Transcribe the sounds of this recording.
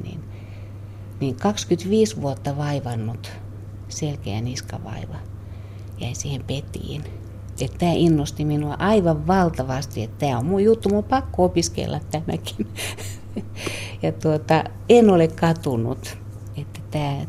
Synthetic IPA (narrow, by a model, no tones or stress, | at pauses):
nḭn | niŋkɑkskyt̪ʋiːsʋuot̪ːɑʋɑiʋɑnːut̪ | selkeæ̰niskɑ̰ʋɑ̰iʋɑ | jæisiːhempet̪ḭːn | et̪t̪æːʔinːost̪iminuɑ̰ʔɑiʋɑʋʋɑlt̪ɑʋɑst̪iet̪t̪æːommujjut̪ːumulpɑkːoopiskḛlːɑ̰t̪t̪æmæ̰ki̥n | jɑt̪uot̪ɑ | enolekkɑt̪unṵt̪ | et̪ːæt̪æː